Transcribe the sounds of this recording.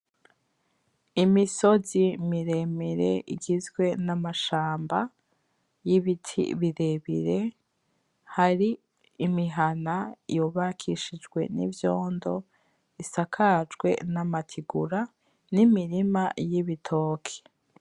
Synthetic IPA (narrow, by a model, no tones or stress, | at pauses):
imiso̞zimiɾe̞miɾḛʔiɡizɡwe̞namaʃaːmba | jiβitʰḭβiɾe̞βḭɾe̞ | haɾiː | miɦanaijoβakʰiʃid͡ʒɡwe̞̰nḭvjo̞ːndo̞ | isakʰad͡ʒɡwe̞̰namatʰiɡuɾa | nimiɾimajiβitʰoːkʰe̥